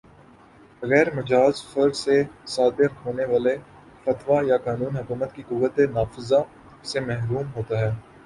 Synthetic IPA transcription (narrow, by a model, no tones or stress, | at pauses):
bɐɣɛːɾmɐd͡ʒaːzfɐɾsesaːd̪ɪɾɦoːneʋaːle | fɐt̪ʋajakaːnũːnɦʊkuːmət̪kikʊʋːət̪enaːfɪza | semɛɦɾuːmɦoːt̪aɦɛː